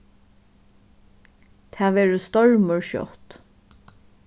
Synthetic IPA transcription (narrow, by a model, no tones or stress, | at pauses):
t̪ʰæːʋɛːɹəst̪ɔɹməɹʃɔ̰ht̪